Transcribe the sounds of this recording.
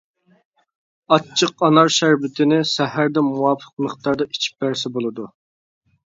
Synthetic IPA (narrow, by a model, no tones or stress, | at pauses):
ɑt͡ʃʰːəqɑnɑɾʃæɾvɪt̪ʰɪnɪsɛhæɾd̪ɛmuwɑpʰə̥q̚nəχt̪ɑɾd̪ɑi̥t͡ʃʰi̥p̚bæɾsɛbolˠɨd̪u